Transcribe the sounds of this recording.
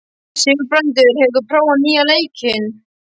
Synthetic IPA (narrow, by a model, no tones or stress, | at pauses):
sɪːvɪpɾœnt̪ʏɾ̥hɛvðʏpʰɾaːwanːiːaleːjcʰɪn